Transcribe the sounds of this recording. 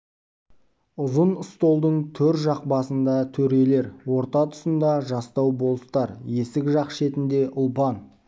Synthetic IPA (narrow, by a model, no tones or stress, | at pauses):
ʊzənəst̪o̞lˠd̪əɴt̪ʰɵɾt̪ʒɑq̚bɑsənd̪ɑt̪ʰɵɾe̞le̞ɾwo̞ɾt̪ɑt̪ʰʊ̥sənd̪ɑʒɑst̪ɑwbo̞lˠəst̪ɑɾje̞sɪkʲʒɑqʃe̞t̪ɪnd̪e̞ʔʊlˠpɑn